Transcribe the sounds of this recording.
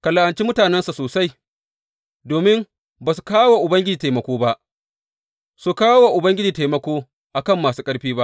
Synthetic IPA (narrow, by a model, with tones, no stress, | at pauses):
ka˨la˨ʔa˨nt͡ʃi˦mʊ˦taː˨nɛ˦nsa˨soː˨sa˦j | doː˨mɪ˦m | baː˨su̥˨kaː˦waː˨ʔʊ˨bɐ˦ŋɡʲɪ˦d͡ʒiː˨taː˨jmɐ˨kʷoː˦ba˦ʔ | su˨kaː˦wwaː˨ʔʊ˨bɐ˦ŋɡʲɪ˦d͡ʒiː˨ta˨mɐ˦kʷoː˦ | ʔa˨kɐ˦˨mːaː˨suː˦kʼɐ˦ɽɸiː˦ba˦ʔ